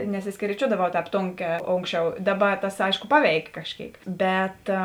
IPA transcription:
nʲɛsʲɪsʲkʲɛrʲiːˈt͡ʃʲuɔdɐʋɐʊ ˈtʲɛːp ˈtoːŋʲˌkʲɛː ˈoːŋkˌsʲt͡ʃʲɛʊ ˈdɑːˌbɐ tɐs ˈɐɪʃkoː ˈpɑːˌʋʲɛɪkʲeː kɐʃʲˈkʲeːɪk ˈbʲɛt

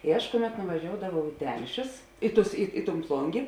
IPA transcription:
ɪ ˈɐʃ ˈkʊˌmʲɛt nʊʋɐˈʒʲoːʊdɐʋɐʊ ɪ ˈtʲɛlʲʃʲʊs ˈɪ ˌtʊs ɪ ɪ tʊn ˈplˠʊŋʲɡʲeː

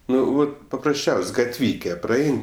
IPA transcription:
ˈnʊ ˈʋɐt pɐprɐsʲˈt͡ʃʲɛʊsʲ ˈʋɐt ɡɐtʲˈʋʲiːkʲɛ prɐˈɐɪn

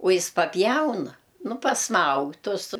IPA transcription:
ʊ ˈjɪs pɐˈpʲjɛʊnɐ ˈnʊ pɐsˈmɐʊk ˈtʊs

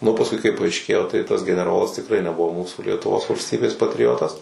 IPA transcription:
nʊ pɐsˈkʊɪ kɐɪ pɐɐɪʃʲˈkʲeːjoː tɐɪ tɐs ɡʲɛnʲɛˈroːlˠɐs tʲɪkˈrɐɪ nʲɛˈbʊʋoː ˈmuːsuː lʲiɛtʊˈʋoːs ʋɐlʲsʲˈtʲiːbʲeːs pɐtʲrʲɪˈoːtɐs

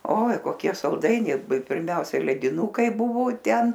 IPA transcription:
oːɪ koːˈkʲiɛ sɐlˠˈdɐɪnʲɛɪ pʲɪrʲˈmʲɛʊsʲɛɪ lʲɛdʲɪˈnuːkɐɪ ˈbʊʋoː ˈtʲɛn

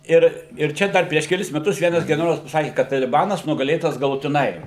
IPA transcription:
ɪr ɪr ˈt͡ʃʲɛ ˈdɐr pʲrʲiɛʃ kʲɛˈlʲɪs mʲɛˈtʊs ˈʋʲiɛnɐs ɡʲɛnʲɛˈroːlˠɐs pɐˈsɑːkʲɪ kɐt tɐlʲɪˈbɑːnɐs nʊɡɐˈlʲeːtɐs ɡɐlˠʊtʲɪˈnɐɪ

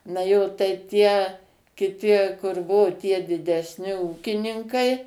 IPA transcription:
nɐ ˈjoː tɐɪ ˈtʲiɛ kʲɪˈtʲɪ kʊr ˈbuɔ tʲiɛ dʲɪdʲɛsʲˈnʲɪ ˈuːkʲɪnʲɪŋkɐɪ

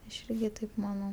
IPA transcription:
ɐʃ ˈɪrʲɡʲɪ tɐɪp mɐˈnɐʊ

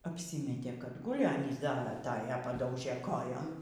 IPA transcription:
ɐpʲˈsʲiːmʲɛtʲeː kɐt ˈɡʊlʲɪ ˈɑːnʲiːs ˈdɐ ɐˈtɑːjɛ pɐˈdɐʊʒʲeː ˈkoːjoːm

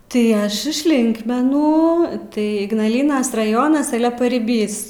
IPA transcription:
tɐɪ ˈɐʃ ɪʃ ˈlʲɪŋkmʲɛnuː tɐɪ ɪɡnɐlʲˈiːnɐs rɐˈjoːnɐs ˈɑːlʲɛ pɐrʲɪˈbʲiːs

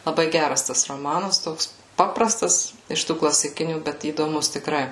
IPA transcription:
lˠɐˈbɐɪ ˈɡʲærɐs ˈtɐs roːˈmɑːnɐs ˈtoːks ˈpɑːprɐstɐs ɪʃ ˈtuː klˠɐsʲɪˈkʲɪnʲuː ˈbʲɛt iːdoːˈmʊs tʲɪkˈrɐɪ

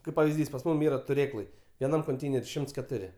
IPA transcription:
ˈkɐɪp pɐʋʲɪzʲˈdʲiːs pɐs ˈmʊm ˈiːrɐ tʊˈrʲeːklˠɐɪ ʋʲiɛˈnɐm koːnʲˈtʲɛɪnʲɛrʲɪ ˈʃʲɪmts kʲɛˈtʊrʲɪ

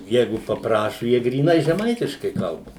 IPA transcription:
ˈjɛɪɡʊ pɐpˈrɑːʃʊ ˈjiɛ ɡrʲiːˈnɐɪ ʒʲɛˈmɐɪtʲɪʃkɐɪ ˈkɐlˠbɐ

